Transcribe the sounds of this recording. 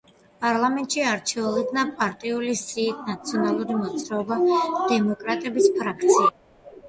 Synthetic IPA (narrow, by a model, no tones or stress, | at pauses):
pʼaɾlˠamɛnt̪ʼʃiaɾt͡ʃʰɛulˠɔd̪napʼaɾt̪ʼiulisiːt̪̚ʰnat̪sʰiɔnalˠuɾimɔt̪sʼɾaɔbad̪̥ɛmɔkʼɾat̪ʼɛbispʰɾakʰt̪sʰia